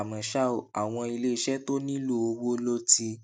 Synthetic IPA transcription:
mã˨ʃa˦o˨a˨w̃ɔ̃˧i˧le˦i˧ʃɛ˦to˦nĩ˦lu˦˨o˧wo˦lo˦ti˧

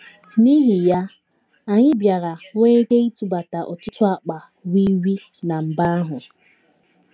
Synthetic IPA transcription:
ni˦ɦi˨ja˦ | a˨ɲɪ˦bja˨ɾa˨ŋe˦e˦ɡe˦i˦tu˨ba˨ta˨ʔɔ˨tʊ˦tʊ˦a˨k͡pa˨ | wi˦wi˦ | na˨m̩˨ba˦a˦ɦʊ˨

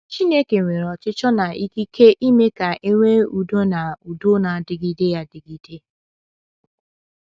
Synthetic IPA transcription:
t͡ʃi˦ne˦ke˨ŋʷe˨ɾɔ˨t͡ʃɪ˦t͡ʃɔ˦na˨i˦ki˦kʰe˦ʔi˦me˦ka˨ʔe˦ŋʷe˦u˨do˦na˨u˨dʊ˦na˨dɪ˨ɡi˦de˦ja˦dɪ˨ɡi˨de˦

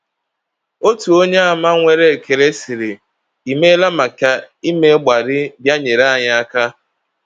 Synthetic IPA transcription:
o˦tu˨o˦ɲe˦a˨ma˦ŋʷe˦˨ɾe˦˨ke˨ɾe˦si˨ɾɪ˨ | i˨me˦la˦ma˨ka˦ | i˦me˦ɡ͡ba˨ɾɪ˦bja˦ɲe˨ɾa˦a˨ɲa˦a˦ka˦

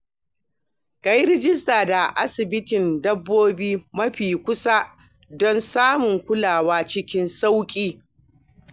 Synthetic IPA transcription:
ka˦˨jɾɪ˦d͡ʒɪ˦s̬taː˨da˨ʔa˦sɪ˨bɪ˦tɪ˨ndɐ˦bːoː˦biː˦mɐ˦ɸiː˨kʷʊ˦sa˦ | dɔ˦nsaː˦mʊ˨ŋkʷʊ˦laː˨waː˦t͡ʃɪ˦kʲɪ˦nsa˦wkʲʼiː˦

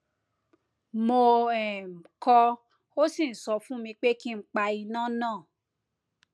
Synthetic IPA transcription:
mo˧ɛ˨m̩˨kɔ˧ | o˦sĩ˦˨n̩˨sɔ˧fũ˦mĩ˧k͡pe˦ki˦ŋ͡m̩˦k͡pa˧i˧nã˦˨nãː˦˨

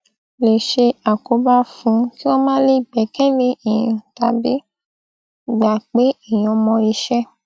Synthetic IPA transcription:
le˨ʃe˧a˨ko˨˧˦ba˦fũ˨˧˦ki˦wɔ˦mã˦le˦i˦˨ɡ͡bɛ˨˦kɛ˦lẽ˦ʔi˨jĩ˧˨ta˧bi˨˦˨ | ɡ͡ba˨k͡pe˨˦i˦˨j̃ɔ̃˧mɔ̃˧i˧ʃɛ˦

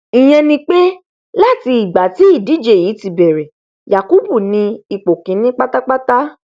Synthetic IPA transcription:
ĩ˨j̃ɛ̃˧nĩ˧k͡pe˦ | la˦˨ti˧i˨ɡ͡ba˨ti˨˦i˦˨di˨˦d͡ʒe˦˨ji˨˦ti˧bɛ˨ɾɛ˨ | ja˨ku˦bu˦˨nĩ˧i˨k͡po˨kĩ˨˦nĩ˦k͡pa˦ta˦k͡pa˦ta˦

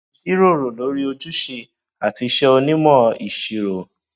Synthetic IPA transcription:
ʃi˦ɾo˦˨ɾo˨lo˨˦ɾi˦o˧d͡ʒu˦ʃe˧ | a˨ti˧ʃɛ˦o˧nĩ˦mɔ̃˦˨i˨ʃi˧ɾo˨

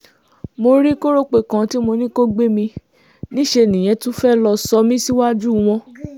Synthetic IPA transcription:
mo˧ɾi˦ko˦ɾo˦k͡pe˨kã˨˧ti˦mo˧nĩ˦ko˦ɡ͡be˦mĩ˧ | nĩ˦ʃe˧˨nĩ˨j̃ɛ̃˨˦tũ˦fɛ˦lɔ˧sɔ˧mĩ˦si˦wa˦d͡ʒu˦˨w̃ɔ̃˧

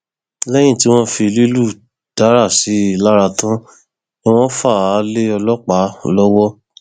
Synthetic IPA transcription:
lɛ˦j̃ĩ˦˨ti˦w̃ɔ̃˦fi˧li˦lu˦˨ | d̥a˨˦ɾa˦˨si˨˦i˧˨la˦ɾa˧tã˦ | i˦w̃ɔ̃˦fa˦˨˦le˦ɔ˧lɔ˦k͡pa˨˦lɔ˦wɔ˦

